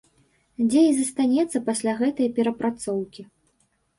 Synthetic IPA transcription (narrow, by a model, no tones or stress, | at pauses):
d͡zʲeizɐst̪anʲɛt̪sːɐpasʲlʲaɣɛt̪ɐjɐpʲɛɾɐpɾat̪sɔwkʲi